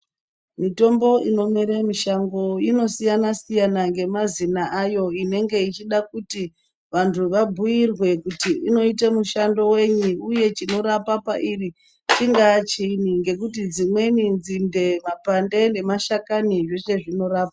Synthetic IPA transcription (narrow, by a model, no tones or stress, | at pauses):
mito̞mbo̞ino̞miɾemiʃaŋɡo̞jino̞sijanasijanaŋɡe̞mazinaʔajo̞ine̞ŋɡe̞it͡ʃiɗak̚uti | ʋantʰuʋabʱujirwe̞kutiino̞it̬amuʃando̞we̞ɲiuje̞t͡ʃino̞ɾapapaʔiri | t͡ʃiŋɡat͡ʃiniŋɡe̞k̬utid͡zimwe̞nind͡zinde̞mapande̞ne̞maʃakaniʐo̞ʃe̞ʐino̞ɾaːpa